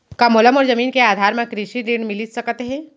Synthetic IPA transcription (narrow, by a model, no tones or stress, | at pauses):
kamoləmɔːɾzɐmiːnkeaːd̪ʱaːɾmẽkɾɪʃiɾiɳmɪlisɐkt̪eɦɛ̃ː